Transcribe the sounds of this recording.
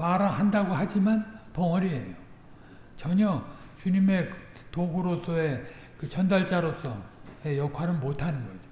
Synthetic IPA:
maɾahandaɡoɦad͡ʑimanpʌŋʌɾie̞jo | t͡ɕʌɲʌt͡ɕuɲime̞k | toɡuɾosʰʌe̞ | kɯt͡ɕʌndaɭt͡ɕ͈aɾosʰʌje̞jʌkʰwaɾɯnmotʰanɯnɡʌid͡ʑo̥

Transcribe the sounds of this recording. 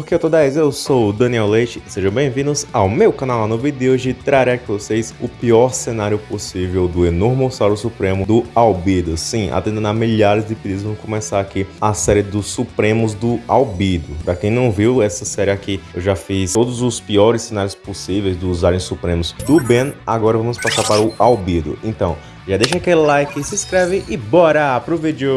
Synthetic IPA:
ppoɾkeewt̪od̪aejzewsowd̪ɐ̃niɛwlejt͡ʃɪseʒɐ̃w̃bẽj̃vĩd̪ʊsawmewkɐ̃nawanʊvid̪eoʒɪt̪ɾaɾekɾɪvosejsʊpiɔɾsenaɾjʊposivewd̪ʊenoɾmosaɾʊsupɾẽmʊd̪ʊawbid̪ʊsĩa̰t̪ẽd̪ẽnamiʎaɾɪzd̪ɪpid̪id̪zvɐ̃mʊkõmɛsaɾakiasɛɾɪd̪ʊsupɾẽmʊzd̪ʊawbid̪ʊpɾɐkẽj̃nɐ̃w̃viwɛsɐsɛɾiakiewʒafisod̪ʊzʊspiɔɾɪsːẽnaɾjʊsposivejzd̪ʊːzaɾẽj̃supɾẽmʊzd̪ʊbẽnaɡɔɾɐvɐ̃mʊspasaɾpaɾʊawbid̪ʊ̰ẽnt̪ɐ̃w̃ | ʒad̪ejʃakelɪlajkɪsɪskɾɛvɪʔɪbɔɾɐpɾʊvid͡ʒɪʊ

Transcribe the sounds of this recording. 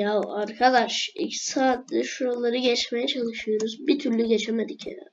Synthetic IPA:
aaɾkʰad̪aʃḭcsaːt̪lʲɛʃuɾalˠaɾɯɟɛt͡ʃmejɛt͡ʃʰalˠɯʃɯjo̞ɾuzbit̪ʰyɾlʲyɟet͡ʃʰemed̪icʰḛɾa̰

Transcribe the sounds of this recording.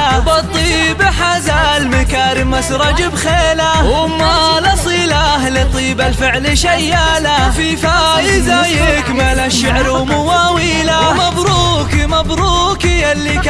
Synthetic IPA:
bɑt̪ˤːiːbaħazalmɪkaːɾɪmasɾˤɑd͡ʒɪbxeːlawʊmːalasˤiːlahlit̪ˤːiːbalfɪʕliʃajːalafifajɪzajɪkmalaʃɪʕɾ | mʊwawilamabɾuːkimabɾuːkijalːik

